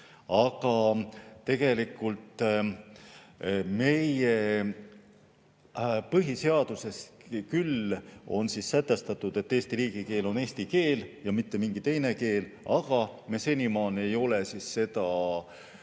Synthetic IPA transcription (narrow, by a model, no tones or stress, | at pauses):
ɑɡ̥ɑt̪e̞ɡ̥e̞likːult̪ˑ | me̞je | pɤɦise̞ɑd̪̥use̞skylo̞nsisːæt̪ˑːe̞st̪ɑt̪ːˑud̪̥e̞t̪ːeːst̪iɾiːɡ̥ike̞ːlo̞ne̞ːsʲt̪ike̞ːljɑmit̪ːe̞miŋɡit̪e̞jne̞ke̞ːlɑɡ̥ɑmese̞nimɑːne̞jo̞lesisse̞d̪̥ɑ